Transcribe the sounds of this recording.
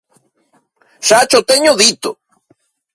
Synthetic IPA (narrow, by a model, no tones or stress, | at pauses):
sat͡ʃot̪eɲoðit̪o